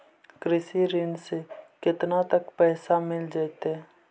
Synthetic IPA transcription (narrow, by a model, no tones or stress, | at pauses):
kɾɪsiɾɪnsekɪt̪nat̪əkpɛːsamɪld͡ʒaːt̪eɦɛ